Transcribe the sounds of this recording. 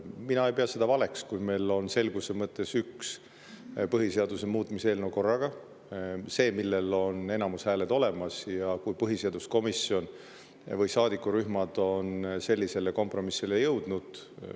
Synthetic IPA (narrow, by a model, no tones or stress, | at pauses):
minɑe̞jpeɑse̞d̪̥ɑvɑle̞kskujme̞jlo̞nse̞lɡ̥usemɤt̪ːˑe̞syks | pɤɦise̞ɑd̪usemuːt̪ːˑmise̞ːlnewko̞rːɑɡ̥ɑ | se̞ːmilːe̞lo̞ne̞nɑmushæːled̪̥o̞le̞mɑsjɑkujpɤɦiseɑd̪̥usko̞misio̞n | vɤjsɑːd̪ikːuɾyɦmɑd̪̥o̞nse̞lʲːise̞leko̞mpˑro̞misːile̞jɤwd̪̥nud̪̥